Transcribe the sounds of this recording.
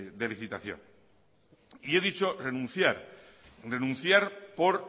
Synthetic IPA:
d̪eliθit̪aθjo̰n | ie̞ðit͡ʃo̞renũnθjaɾ | re̞nũn̟θjaɾpoɾ

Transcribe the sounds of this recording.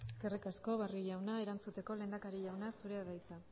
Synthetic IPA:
eske̞rikasko̞βariʝawnae̞ɾant͡sut̪e̞ko̞le̞ːnd̪akaɾiʎawnasuɾe̞aðajt͡sa

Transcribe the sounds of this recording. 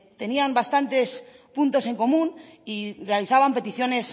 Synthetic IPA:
t̪e̞niambast̪ant̪e̞s | punt̪o̞se̞ŋko̞mũnirealiθaβampe̞t̪iθjo̞ne̞s

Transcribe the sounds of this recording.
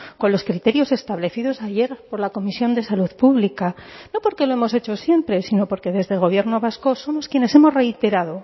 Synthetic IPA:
ko̞nlo̞skɾit̪e̞ɾjo̞se̞st̪aβle̞θiðo̞saʝe̞ɾpo̞ɾlako̞misjo̞nd̪e̞saluðpuβlikano̞po̞ɾke̞loe̞mo̞se̞t͡ʃo̞sje̞mpɾe̞sino̞po̞ɾke̞ðe̞zðe̞lɣ̞o̞βje̞ɾno̞β̞asko̞so̞mo̞skje̞ne̞se̞mo̞zre̞jt̪e̞ɾaðo̞

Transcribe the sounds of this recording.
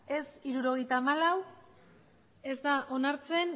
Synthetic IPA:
e̞siɾuɾo̞ɣ̞e̞jt̪aːmalaw | e̞zd̪aʔo̞naɾt͡se̞n

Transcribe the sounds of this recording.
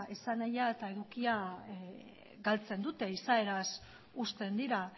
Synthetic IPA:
esanajaet̪ae̞ðukia | ɡalt͡se̞nd̪ut̪e̞isae̞ɾas | ust̪e̞nd̪iɾa

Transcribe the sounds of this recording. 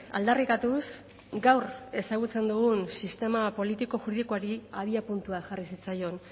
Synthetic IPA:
a̰ld̪arikat̪us | ɡawre̞saɣut͡se̞nd̪uɣ̞unsist̪e̞mapo̞lit̪iko̞xuɾiðikoaɾiaðiapunt̪uaʝarisit͡sajo̞n

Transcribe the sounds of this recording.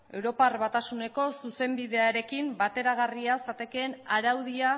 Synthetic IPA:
e̞wɾo̞parβat̪asune̞ko̞suse̞mbiðe̞aɾe̞kimbat̪e̞ɾaɣ̞ariasat̪e̞keːnaɾawð̞ia

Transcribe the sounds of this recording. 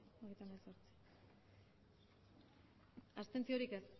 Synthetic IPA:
oɣejt̪amelsoɾt͡si̥ | ast̪e̞nt͡sio̞ɾike̞s

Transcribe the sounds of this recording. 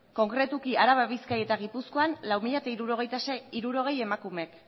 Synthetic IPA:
ko̞ŋkɾe̞t̪ukiaɾaβaβiskaje̞t̪aɣ̞ipusko̞anlawmiʎat̪aiɾuɾo̞ɣ̞e̞jt̪asiɾuɾo̞ɣ̞e̞je̞makume̞k

